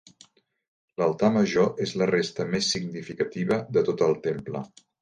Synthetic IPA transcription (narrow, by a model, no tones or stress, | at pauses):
ləlˠt̪aməʒoʔezlərest̪əmesːiɡnifikət̪iβəðət̪ot̪əlˠt̪emplə̰